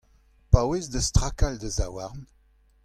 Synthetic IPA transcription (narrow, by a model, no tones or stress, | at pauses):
pawezdəst̪ʁakald̪əzawaʁn